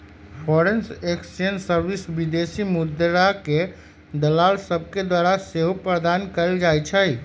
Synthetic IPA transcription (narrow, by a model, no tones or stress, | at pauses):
pʰɔɾenseksijənsəɾbisbid̪esimud̪ɾake | d̪əlalsəb̚ʱked̪waɾaseɦopɾəd̪ankəld͡ʒajt͡ʃʰəj